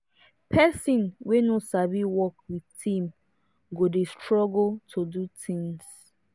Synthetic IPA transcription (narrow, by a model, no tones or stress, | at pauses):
pʰɛsɔ̃nwenosaviwɔkwitĩm | ɡodestɹɔɡltʰodutʰĩŋs